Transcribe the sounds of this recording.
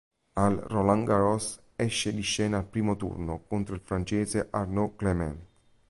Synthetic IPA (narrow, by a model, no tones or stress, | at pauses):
alrolaŋɡaɾɔs | ɛʃːed̪iʃːɛːnaːlpɾiːmot̪ṵrnokont̪ɾoilfɾant͡ʃeːzeʔarnoklemɛ̰n